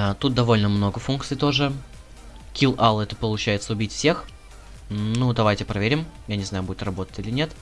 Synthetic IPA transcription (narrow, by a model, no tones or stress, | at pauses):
t̪ut̪̚d̪ɐvo̞lʲnəmno̞ɡəfunk̚t̪sɨjt̪o̞ʐɨ | kʲilˠʔalˠɛt̪əpəlˠʊt͡ɕæjɪt̪səʊbʲitʲfsʲe̞x | nud̪ɐvajtʲɪpɾɐvʲeɾʲɪmjanʲɪznajʊbudʲɪt̪rɐbo̞t̪ə̥tʲilʲɪnʲe̞t̪